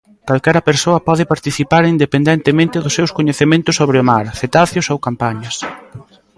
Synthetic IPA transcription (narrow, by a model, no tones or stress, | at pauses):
kalkɛɾɐpeɾsoɐpɔðɪpaɾt̪iθipaɾind̪epend̪ɛnt̪emẽnt̪ɪðʊsːewskoɲeθemẽnt̪ʊsːoβɾɪʊmaɾθet̪aθjʊsowkampaɲɐs